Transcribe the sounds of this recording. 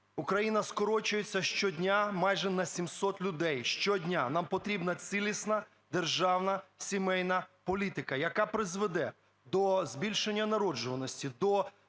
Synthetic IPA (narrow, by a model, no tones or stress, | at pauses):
ukɾɐjinɐskɔɾɔt͡ʃʊjet͡sʲːɐʃt͡ʃɔdʲnʲamɑjʒɛnɐsʲimsɔt̪lʲʊd̪ɛjʃt͡ʃɔdʲnʲanɑmpɔt̪ɾʲibnɐt͡s̪ʲilʲisnɐ | d̪erʒɑwnɐsʲimɛjnɐpɔlʲit̪ɪkɐjɐkapɾɪzʋed̪ɛ | d̪ɔzbʲilʲʃenʲːɐnɐɾɔd͡ʒʊʋɐnɔsʲtʲid̪ɔ